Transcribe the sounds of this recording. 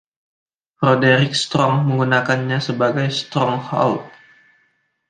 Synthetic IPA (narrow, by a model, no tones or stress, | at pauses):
rodeɾɪk̚st̪ɾɔŋməŋɡunakanɲasəbaɡajst̪ɾɔŋhɔ̰lt̚